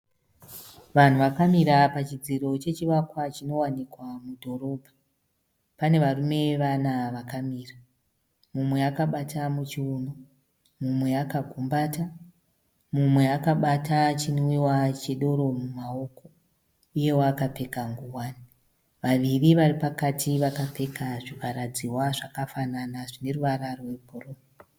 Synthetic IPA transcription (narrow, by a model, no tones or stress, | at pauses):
ʋan̤uʋakamiɾapat͡ʃid͡ziɾo̞t͡ʃe̞t͡ʃiʋakwat͡ʃino̞wanikwamudʱo̞ɾo̞ːbʱa | pane̞ʋarume̞ʋanaʋakamiːra | mumwe̞akaɓatamut͡ʃiuno | mumwe̞akaɡʱumbaːta | mumwe̞akaɓatat͡ʃinwiwat͡ʃeɗo̞ɾo̞mumao̞ko̞ | uje̞wakape̞kaŋɡuwaːni | ʋaʋiriʋaripakatʰiʋakape̞kaʐipaɾad͡ziwaʐakafananaʐine̞ruʋaɾaroweporoːma